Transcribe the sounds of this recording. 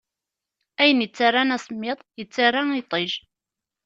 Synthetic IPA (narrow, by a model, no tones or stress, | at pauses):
æjənjət͡sːarːanæsˤmːɪðˤjət͡sːarˤːait̪ˤːeʒ